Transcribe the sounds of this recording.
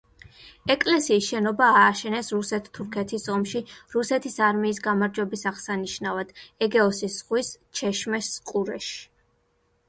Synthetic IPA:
ɛkʼlɛsiːsʃɛnɔbaːʃɛnɛsɾusɛt̪ʰt̪ʰuɾkʰɛt̪ʰisɔmʃiɾusɛt̪ʰisaɾmiːsɡamaɾd͡ʒwɛbisaʁsaniʃnavad̪̥ɛɡɛɔsisʁwist͡ʃʰɛʃmɛsqʼuɾɛʃi̥

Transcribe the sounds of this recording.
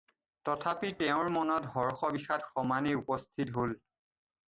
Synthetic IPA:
tɔtʰapitɛʊ̃ɹmɔnɔtɦɔɹxɔbixatxɔmaniupɔstʰitɦol

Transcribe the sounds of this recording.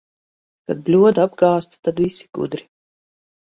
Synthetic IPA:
kad̪̚blʲuɔd̪abɡaːst̪ḁt̪ad̪visiɡ̥ṵd̪ɾi

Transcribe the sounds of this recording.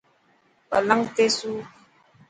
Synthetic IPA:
a̰laŋt̪esu

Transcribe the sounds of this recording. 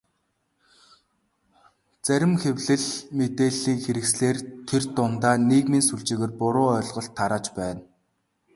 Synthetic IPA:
t͡sæɾʲɪ̆mxewɮɘ̆ɮmet̪eːɮiːŋxeɾɘ̆ksɮeːrt̪ʰert̪ʊnt̪aːnekmiːnsuɮt͡ɕiːɣĕːrpʊɾʊːœɮʁɞ̆ɬt̪ʰːaɾaːt͡ɕpæːn

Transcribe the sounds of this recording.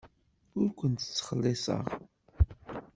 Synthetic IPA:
ʊɾkʷənt̪ə̥t͡sːə̥χəlːɪsə̰ʁ

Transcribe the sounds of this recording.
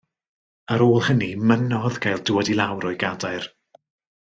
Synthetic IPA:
əɾoːlˠhənimənɔðɡajlˠduwɛdilˠawɾɔɨɡadaɨr

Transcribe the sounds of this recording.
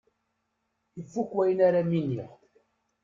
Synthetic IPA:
əfːukːwæjənaɾaminiʁ

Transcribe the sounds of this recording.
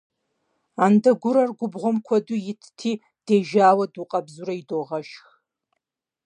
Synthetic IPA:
andɐɡʷʊɾɐrɡʷʊbʁʷɔmkʷʰɐdujɪtʰtʰiː | d̥eːʒaːwɐduqʼɐbzuɾɐidoːʁɐʃx

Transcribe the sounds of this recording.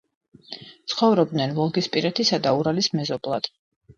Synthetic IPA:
t̪sʰχɔvɾɔb̚d̪nɛnvɔlˠɡispʼiɾɛt̪ʰisad̪auɾalismɛzɔblˠa̰d̪̥

